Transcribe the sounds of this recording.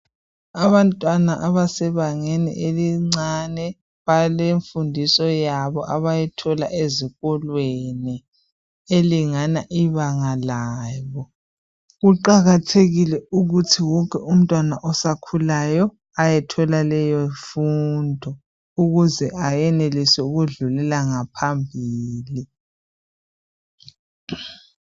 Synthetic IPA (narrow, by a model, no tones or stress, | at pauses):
aβantʼwana̰ʔaβasɛβaŋɛnɛ̰ʔeliŋ͡ǀanɛ | βaleɱfundʱisɔjaβɔʔaβajɛtʰɔla̰ʔeziɣɔlweni | eliŋanaʔiβaŋalaːβɔ | ɣuǃaɣatʰeɣilɛuɣutʰiwɔkʰʼɛum̩tʼwanaʔɔsakʰulajɔ | ajɛtʰɔlalɛjɔfundʱɔ | uɣuzɛʔajɛnelisɛuɣuɮulɛlaŋapʰambʱiːli